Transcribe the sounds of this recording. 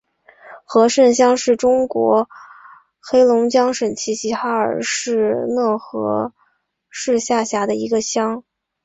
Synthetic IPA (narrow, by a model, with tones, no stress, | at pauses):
xɤ˧˥ʂə˥˩nɕjɑ˥ŋʂɻ̩˥˩ʈ͡ʂʊ˥ŋkwɔ̰˧˥ | xe˥ɪlʊ˧˥ŋt͡ɕjɑ˥ŋʂə˨˩nt͡ɕʰi˧˥ɕi˧˥xa˥ə̰˞˨˩ʂɻ̩˥˧nɤ˥˩xɤ̰˧˥ | ʂɻ̩˥˧ɕja˥˩ɕja˧˥d̪ə˧i˧˥ɡə˧ɕjɑ˥ŋ